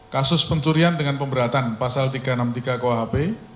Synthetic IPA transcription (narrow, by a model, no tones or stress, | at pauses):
kasʊspəɲt͡ʃuɾiandəŋanpəmbəɾat̪anpasalt̪iɡ̥anamt̪iɡakowaɦape